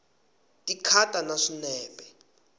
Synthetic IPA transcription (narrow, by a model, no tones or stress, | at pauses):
tʼikʰatʼanaʂinɛːbʱʼɛ